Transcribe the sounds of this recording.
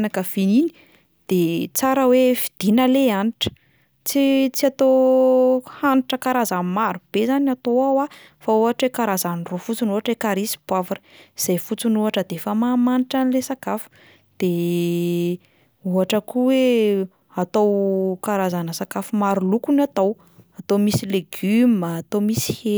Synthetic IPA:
nakəfinini̥ | d̪̥et͡saɾəwefid̪̥inəleaniʈ͡ʂə̥ | t͡sit͡siat̪o | haniʈ͡ʂəkaɾazammaɾub̥ezanat̪oawa | fauɦaʈ͡ʂwekaɾazanirofut͡sunuaʈ͡ʂekaɾisi̥b̥wavuɾə̥iz̥ajfut͡sunuɦaʈ͡ʂəd̪efəmamaniʈ͡ʂanilesakafu̥ | d̪̥e | uɦaʈ͡ʂəkuwe | at̪owkaɾazanəsakafumaɾulukunat̪ow | at̪omisileɡyməːt̪omisi̥he

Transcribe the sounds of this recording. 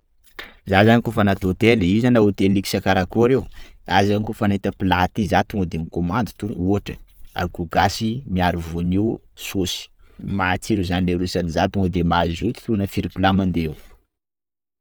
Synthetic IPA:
zazanikofənat̪ot̪elizanaut̪eliki̥sakaɾakuaɾewazankofanet̪əpilat̪izat̪uŋəd̪emikomand̪ut̪uuʈ͡ʂəa̰kuɡasimiaɾivuniw | sosi̥mat͡siɾuzanileɾusanizat̪uŋəd̪emazzut̪i̥unəfiɾipulamand̪eew

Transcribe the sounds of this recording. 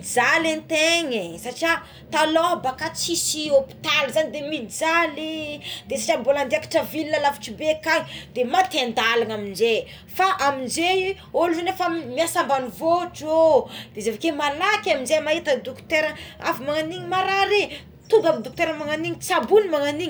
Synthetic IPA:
d͡zalent̪eŋesaʈ͡ʂia | t̪aloɦbakat͡sisiopi̥t̪alzanid̪emid͡zalid̪̥esḁʈ͡ʂamboland̪iakḁʈ͡ʂəvilinəlafi̥ʈ͡ʂibekaɲid̪̥emat̪end̪alaŋamind͡ʒe | faʔamind͡ʒe | oluzenefamiasambanivoʈ͡ʂod̪̥ezevakemalakʲaminzemaet̪əd̪ukt̪eɾəa̰vimaŋaniɲimaɾaɾe | t̪uɡamid̪uk̚t̪eɾəmaŋaniŋit͡sabunimaŋaniɲi

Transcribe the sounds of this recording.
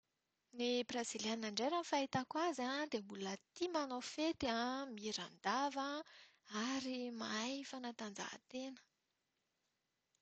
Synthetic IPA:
nibraziljanːaɳɖ͡ʐeɾanfait̪akwazad̪embulət̪imanofet̪iamiɾand̪avəaɾimajfanat̪and͡za̰t̪enə̥

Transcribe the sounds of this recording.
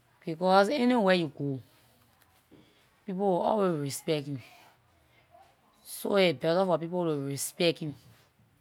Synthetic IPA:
b̥ikɔsenewejuɡo | pipoɔ̰lwezɹispɛktjũm | soebɛtafɔpipotuɹispɛktĩm

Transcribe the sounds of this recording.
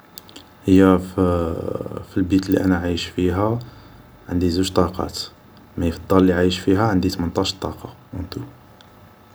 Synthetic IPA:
həjːæ | filbit̪lːiʔænæʕajəʃfiɦæ | ʕənd̪izuʒt̪ˤːɑqɑ̰t̪ | mæjfd̪ˤːɑllːiʕajəʃfiɦæʕənd̪it̪mənt̪ˤɑʃt̪ˤːɑqɑ | wənt̪u

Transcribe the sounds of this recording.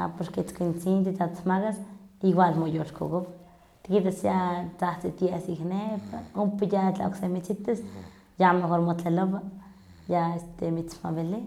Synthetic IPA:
a̰poɾket͡skint͡sint̪̬it̪at̪smaɣasiɡwalmojoʃkoɡop | t̪kit̪asjat͡saht͡sit̪jesiknepaumpejaa̰o̰ksemit͡ʃit̪as | jamexoɾmot̪leloba | jaest̪emit͡smabele

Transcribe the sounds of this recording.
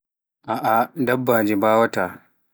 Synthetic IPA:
ʔaʔadɐbːaːd͡ʒibaːwɐta

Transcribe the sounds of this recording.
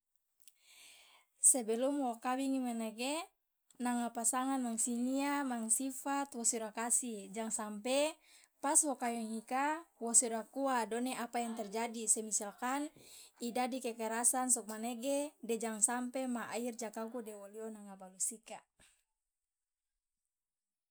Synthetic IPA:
sebɛlumwokawiŋimaneɡe | naŋapasaŋanmaŋsiniamaŋsifat̪wɔsiɾakasid͡ʒaŋsampe | paswokajiŋikawɔsiɾakuadɔneʔapajaŋt̪ɛrd͡ʒadisɛmisalkanidadikɛkɛɾasansɔk̚maneɡedɛd͡ʒaŋsampemaʔaird͡ʒakakudɛwolionaŋabalusika

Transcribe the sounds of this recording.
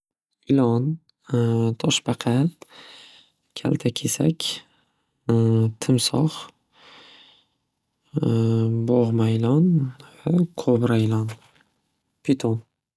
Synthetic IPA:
ɪlɒn | t̪ʰɒʃbaqʰɑ | kʲʰa̰lt̪ʰakʲʰesa̰kʲ | t̪ʰɪmsɒχ | bɒʁmajlɒnvaqʰobɾaɪlɒn | pʰet̪ʰon

